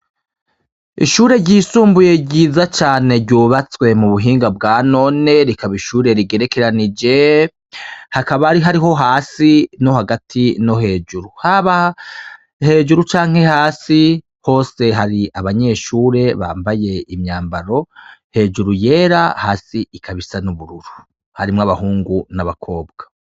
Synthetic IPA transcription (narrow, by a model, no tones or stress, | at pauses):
ḭʃuːɾe̞ɾɟiːsuːmbuje̞ɟɟiːzat͡ʃaːne̞ɾɟuːβat͡swe̞muβuɦiːŋɡab̚ɡaːno̞ne̞ɾikaβiʃuːɾe̞ɾiɡe̞ɾe̞ke̞ɾanid͡ʒe̞ | hakaβaɾiɦaɾiɦo̞ɦaːsino̞haɡatʰino̞ɦe̞ːd͡ʒuɾuhaβa | he̞ːd͡ʒuɾut͡ʃaːŋ̥he̞haːsi | ho̞ːse̞ɦaɾiʔaβaɲe̞ʃuːɾe̞βa̰ːmbaje̞imɲaːmbaɾo̞he̞ːd͡ʒuɾuje̞ːɾahaːsiikʰaβisanuβuɾuɾu | haɾimŋaβahuːŋɡunaβakʰo̞ːbɡ̥ḁ